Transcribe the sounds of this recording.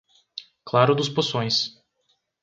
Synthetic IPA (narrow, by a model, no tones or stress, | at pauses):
klaɾʊd̪ʊsposõj̃s